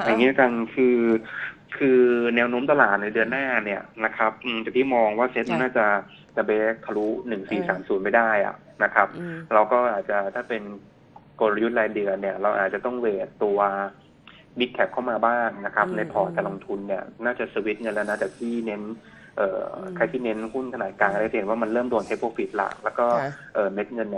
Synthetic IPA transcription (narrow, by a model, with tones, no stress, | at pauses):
ja˨˩ŋiː˦˥˩ka˧nkʰɯː˧ | kʰɯː˧nɛː˦˥wnoː˦˥mt̪a˧laː˨˩t̪̚naː˧˩jdɯ˧ənːaː˥˩ni˥˩ɐna˦˥kʰa˦˥p̚ʔɯː˧mt̪ɛː˨˩t̪ʰiː˥˩mɔː˧ŋwaː˥˩se˦˥t̪̚m˥˩naː˥˩t͡ɕa˨˩ | t͡ɕa˨˩beː˦˥k̚pʰa˧lu˦˥nɯ˨˩ŋsiː˨˩saː˩˦msuː˨˩˦nma˥˩jdaː˥˩jʔa̰˨˩ | na˦˥kʰa˦˥p̚ɾa˧wkɔː˥˩ʔaː˨˩t̪̚t͡ɕa˨˩t̪ʰaː˥˩pe˧n | ko˧la˧ju˦˥t̪̚laː˧dɯ˧ni˥˩ɐɾa˧wʔa̰ː˨˩t̪̚t͡ɕa˨˩t̪ɔ˥˩ŋweː˨˧˩t̪t̪ːu˧ɐ | bi˦˥t̪̚kʰɛ˦˥p̚kʰa˥˩wmaː˧baː˥˩ŋna˦˥kʰa˦˥p̚na˧jpʰɔː˨˩k̪aː˧˩lo˧ŋt̪ʰu˧nːi˥˩ɐnaː˥˩t͡ɕa˨˩sə˧wi˦˥t̪̚ŋɤ˧nlɛː˧˦˥na˦˥˩t͡ɕaː˨˩k̚t̪ʰiː˥˩ne˦˥n | ʔɤ̰ː˨˩kʰa˧jt̪ʰiː˥˩ne˦˥nhu˥˩nkʰa˧naː˨˩t̪̚kaː˧ŋka˧˦˥t͡ɕa˨e˨˩˦waː˥˩ma˧nlɤː˥˩mdo˧nt̪ʰe˦˥pʰoː˧fi˨˩t̪̚la̰˨˩lɛː˦˥wkɔː˥˩ʔɤː˨˩me˦˥t̪̚ŋɤ˧nː